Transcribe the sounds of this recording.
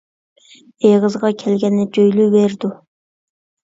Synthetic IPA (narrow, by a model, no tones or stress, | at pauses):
eʁɨzʁɑkʲʰɛlɡʲɛnːɪd͡ʒøjlybeɾd̪u